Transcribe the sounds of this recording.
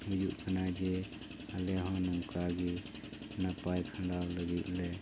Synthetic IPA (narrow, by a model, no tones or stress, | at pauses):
ɦujuʔkʰanad͡ʒɛ | alɛɦɔ̃nɔmkaɡi | napajkʰãɖawləɡuʔlɛ